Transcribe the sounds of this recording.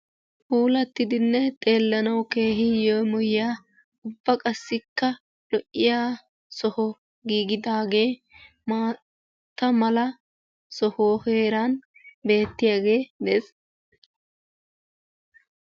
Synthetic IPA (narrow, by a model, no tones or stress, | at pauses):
puːlɐt̪ːɪd̪ɪnːɛt̪ʼe̞ːlːɐnɐwke̞ːɦɪjomɔjɪjaː | ʊbːɐkʼɐsːɪkːɐ | lɔʔːɪjaː | sɔhɔ | ɡiːɡɪd̪aːɡe̞ː | maː | t̪ːɐmɐlɐ | sɔhhe̞ːɾɐn | be̞ːt̪ːɪjaːɡe̞ːd̪ɛs